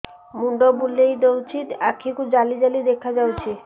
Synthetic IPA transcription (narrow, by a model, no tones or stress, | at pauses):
muɳɖɔbulːejd̪owt͡ɕʰit̪akʰːikud͡ʑalid͡ʑalid̪ekʰad͡ʑawt͡ɕʰe